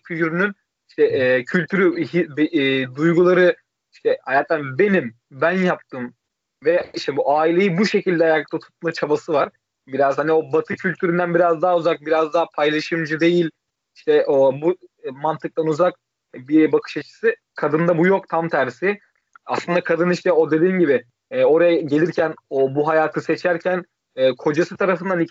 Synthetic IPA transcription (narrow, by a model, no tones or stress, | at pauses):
yjyɾynyn | iʃt̪ʰɛcʰylʲt̪ʰyɾyɦibd̪ujɡulˠaɾɯ | iʃt̪ʰɛhajat̪ʰːænbe̞nim | bænjap̚t̪ʰɯːm | vɛiʃt̪ʰɛbuʔaːilʲe̞jibuʃe̞cʰilʲd̪ɛajaːkʰat̪ʰat̪ʰu̥t̪̚mat͡ʃʰabasɯvaɾ̥ | biɾazhanio̞bat̪ʰɯcʰylʲt̪ʰyɾynd̪ænbiɾazd̪aɦuzak̚biɾazd̪aːapʰajlˠaʃɯmd͡ʒɯd̪e̞jilʲ | iʃt̪ɛʔobumant̪ʰɯk̚t̪ʰanuzak | bibakʰɯ̥ʃat͡ʃʰɯ̥sɯ | kʰad̪ɯnd̪abujo̞kt̪ʰamt̪ʰæɾsɪ | aslˠɯnd̪akʰad̪ɯniʃt̪ɛo̞d̪e̞d̪iːmɟibɪ | ɛːo̞ɾajaɟelʲiɾcʰænobuɦajaːt̪ʰɯset͡ʃʰæɾcʰæn | ɛːkʰo̞d͡ʒasɯt̪ʰaɾafɯnd̪ani